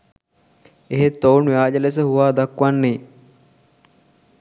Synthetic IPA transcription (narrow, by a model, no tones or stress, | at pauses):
eɦet̪ːownjaːd͡ʒɐles̬əhuʋaːd̪akʋanːe